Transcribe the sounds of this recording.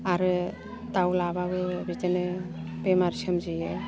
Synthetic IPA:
aɾɯ | tawlabawɯbitenɯ | pemaɾsʰamzije

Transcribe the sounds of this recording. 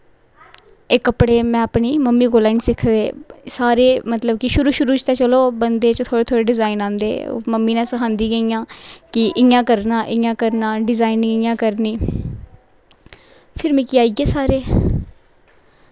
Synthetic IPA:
ɪkːəpɽeːmɛ̃ːpɳiːməmːiːkoːlaːinsɪkʰd̪eːsaːɾeːmət̪ləb̚kɪʃʊɾuːʃʊɾuːt͡ʃɪt̪aːt͡ʃəloːbənd̪eːt͡ʃt̪ʰoːɽeːt̪ʰoːɽeːɖɪzaːinãːnd̪ḛːməmːiːnãːsəkʰãːnd̪iːɡəiːjãːkɪʔɪjãːkəɾnãːʔɪjãːkəɾnãːɖɪzaːiniɪjãːkəɾniː | pʰɪɾmĩːkiːaːiːɡeːsaːɾeː

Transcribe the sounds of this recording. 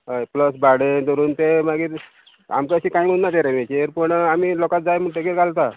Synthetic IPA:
ɦəjpləsbaɽed͡z̪əɾuːnt̪emaɡiːɾ | a̰mkeəɕiːkãɦĩm̤ənnat̪eɾamet͡ɕeɾpəɳamilɔkat̪̚d͡zajmuʈekeɾkalt̪a

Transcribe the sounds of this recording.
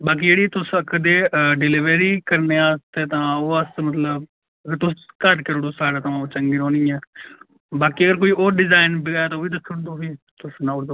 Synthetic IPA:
baːk̬iːd͡ʒeːɽiːt̪ʊskəd̪eːɖɪlɪʋeɾiːkəɾneːaːst̪eːt̪ãːoːəsmət̪ləb | əɡəɾt̪ʊskəɾkeɾoɽʊːsaːɽaːt̪ãːt͡ʃəŋɡiɾõːnĩːɛː | baːkiːəɡəɾk̬oːiːoːɾɖɪzaːɪnbɪɡaːjaːt̪oːʋiːd̪əsʰəɽd̪oːʋiːt̪ʊsnãːʊɽd̪oː

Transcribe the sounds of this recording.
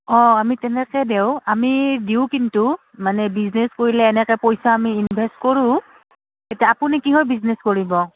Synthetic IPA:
ɔ̃amitɛnɛkɛdeʊamidiʊkintu | manɛbiznɛskoɹilɛːnɛkɛpojsaamiːnbʱɛstkoɹũ | etaapunikiɦojbiznɛskoɹibɔ

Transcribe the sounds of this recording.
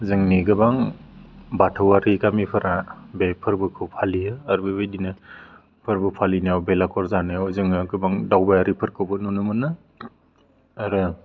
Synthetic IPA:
zɯŋniɡɯbaŋ | batʰɯwaɾikamipʰɯɾa | bepʰɯɾbɯkʰɯwpʰalijɯːɾbebajdinɯ | pʰɯɾbɯpʰalinajawbelakʰɔɾzanajawzɯŋɯɡɯbaŋdawbajaɾipʰɯɾkʰɯwbɯnunɯmɯnɯ | ɾɯ

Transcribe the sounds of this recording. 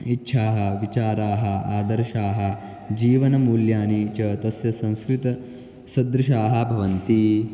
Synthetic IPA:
itːʃʰaːɦɐ̆ʋit͡ʃaːɾaːɦɐ̆aːd̪ɐɾʃaːɦɐ̆ | d͡ʒiːʋɐnɐmuːljaːniːt͡ʃɐt̪ɐsjɐsɐ̃ñskɾit̪ɐ | sɐd̪ɾuʃaːɦɐ̆bʱɐʋɐnt̪i

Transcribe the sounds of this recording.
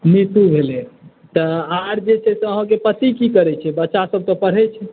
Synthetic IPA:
nit̪ubʱele | t̪əaɾd͡ʒet͡ʃʰɛsəɦãkepət̪ikikəɾɛt͡ʃʰɛbətːʃasəb̚ʱt̪ɔpəɽ̤ɛt͡ʃʰɛ

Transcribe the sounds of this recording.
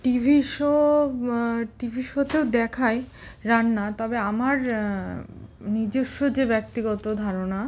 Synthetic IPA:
ʈibʱiʃo | ʈibʱiʃot̪eod̪ɛkʰaeɾanːat̪ɔbeamaɾ | nid͡ʑeʃːod͡ʑebɛk̚t̪iɡɔt̪od̪ʱaɾona

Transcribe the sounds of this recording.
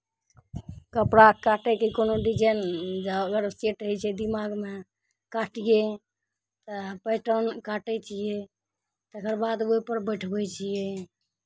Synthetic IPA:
kəpɾakaʈɛkikonoɖid͡ʒənd͡ʒaəɡəɾseʈɦəjt͡ʃʰɛd̪imaɡme | kaʈije | t̪əpəjʈənkaʈɛt͡ʃʰije | t̪əkəɾbad̪oipəɾbəjʈʰbɛt͡ʃʰije

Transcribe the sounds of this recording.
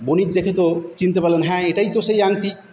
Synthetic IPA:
bonit̪̚d̪ekʰet̪ot͡ɕint̪epaɾlenɦɛ̃ːeʈajt̪oʃejaŋt̪i

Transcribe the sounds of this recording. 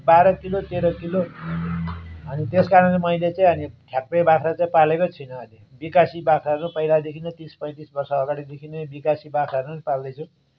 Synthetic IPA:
baɾʌkilot̪eɾʌkilo | ɦʌnit̪eskaɾʌnlemʌijlet͡saĩɦʌniʈʰjak̚pebakʰɾat͡sãĩpalekot͡sʰʌjnʌɦʌnibikasibakʰɾaʌrnupʌilad̪ekʰinʌt̪ispʌj̃t̪isbʌrsʌːɡaɽid̪ekʰinebikasibakʰɾarnuanipald̪ʌjt͡sʰʌ̃

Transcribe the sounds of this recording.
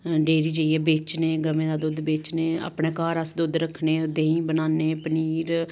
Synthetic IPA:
ɖeːɾiːd͡ʒəiɛːbeːt͡ʃneːɡəmẽːd̪aːd̪oːd̪beːt͡ʃneːə̰ːpɽeːkaːɾəsd̪od̪ɾəkʰneːd̪eːĩːbənaːneːpəniːɾ

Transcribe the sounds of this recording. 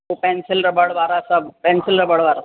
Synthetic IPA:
opɛ̃ːnsɪlɾɐbɐɽʋaːɾasɐbpɛ̃ːnsɪlɾɐbɐɽʋaːɾa

